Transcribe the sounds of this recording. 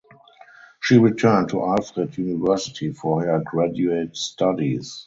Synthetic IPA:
ʃiːɹitʰɜ˞ntʰuʔalfʁɪdjunɪvɜ˞sɪtʰifɔhə˞ɡɹadjuetstʰadis

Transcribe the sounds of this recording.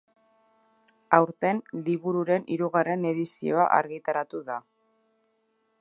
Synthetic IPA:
awɾt̪e̞nliβuɾuɾe̞nʔiɾuɣare̞ne̞ðisio̞a̰ʔa̰ɾɣit̪aɾat̪uða

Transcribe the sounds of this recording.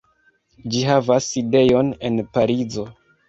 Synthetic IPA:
d͡ʒiɦavaside̞jo̞ne̞npaɾizo̞

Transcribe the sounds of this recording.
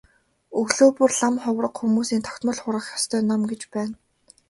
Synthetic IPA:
ɵɣɮoːpɵrɮamχʊwrə̆qxumuːsiːnt̪ʰɔ̥kt̪mə̆ɮχʊɾʁə̆χjɔst̪ʰœːnamɡet͡ɕpæːn

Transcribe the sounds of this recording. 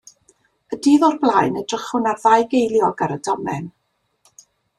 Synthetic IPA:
ədiːðɔrblˠajnədrəχʊnarðajɡejlˠjɔɡaɾədɔmɛ̰n

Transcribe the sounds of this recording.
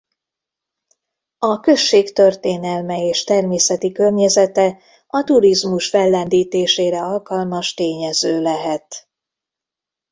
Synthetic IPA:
ɒkø̞ʃːeːkt̪ø̞rt̪eːnɛlmɛeːʃt̪ɛrmeːsɛt̪ikø̞rɲɛzɛt̪ɛ | ɒt̪uɾizmuʃfɛlːɛnd̪iːt̪eːʃeːɾɛɒlkɒlmɒʃt̪eːɲɛzøːlɛɦɛt̪

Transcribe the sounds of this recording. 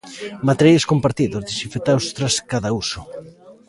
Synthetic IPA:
mat̪eɾjaskompaɾt̪iðozðesifet̪awst̪ɾaskaðausʊ

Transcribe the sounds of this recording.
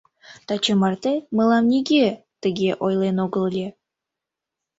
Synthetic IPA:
t̪ɑt͡ɕəmɑrt̪eməlɑmnʲiɡet̪əɣeʔojlenoɣəllʲe

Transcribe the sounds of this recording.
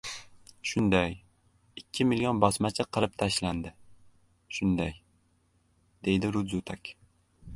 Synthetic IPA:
ʃʊnd̪aj | ɪkʲʰːɪmɪljonbɒsmat͡ʃʰɪqʰɨlɾɪp̚t̪ʰaʃland̪ɪ | ʃʊnd̪aj | d̪e̞jd̪ɪɾʊd̪zʊt̪ʰakʲ

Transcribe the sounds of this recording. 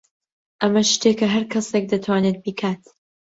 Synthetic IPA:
ʔɐmɐʃt̪eːkɐɦɐɾkʰɐsek̚d̪ɐt̪ʰwaːnet̪̚bikʰaːt̪

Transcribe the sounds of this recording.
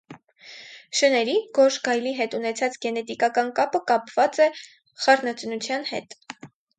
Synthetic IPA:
ʃənɛɾiɡ̥ɔʃɡɑjliɦɛt̪unɛt͡sʰɑt͡sɡɛnɛt̪ikɑkɑnkɑpəkɑpvɑt͡sɛ | χɑɾnɑt͡snut͡sʰjɑnhɛ̰t̪

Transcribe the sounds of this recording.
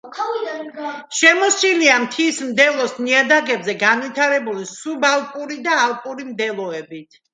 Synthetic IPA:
ʃɛmɔsiliamt̪ʰismd̪ɛlˠɔsniad̪aɡɛbzɛɡanwit̪ʰaɾɛbulisubalˠpʼuɾid̪aːlˠpʼuɾimd̪ɛlˠɔɛbit̪ʰ

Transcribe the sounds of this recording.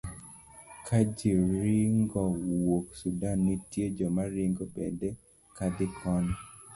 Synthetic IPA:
kʰad͡ʒiɾɪŋɡɔwoksudanːitjed͡ʒɔmaɾiŋɡobɛdɛ | kad̪ɪkʰɔn

